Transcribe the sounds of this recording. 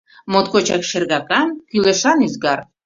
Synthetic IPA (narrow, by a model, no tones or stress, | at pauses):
mot̪kot͡ɕɑkʃerɣɑkɑnkyleʃɑnyzɡɑr